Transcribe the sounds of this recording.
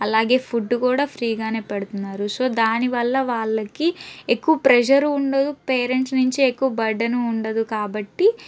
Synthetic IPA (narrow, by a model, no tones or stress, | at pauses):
ɐlaːɡe̞ːpʰuɖːukuːɽaːpʰɾiːɡaːneːpeɽut̪unːaːɾuso̞ːd̪aːniʋɐlːɐʋaːɭːɐkiekːuʋɐpɾɛd͡ʒɐɾuːɳɖɐd̪upeːɾeɳʈsnuɲt͡ʃiekːuʋɐbɐɖːɐnuːɳɖɐd̪ukaːbɐʈːi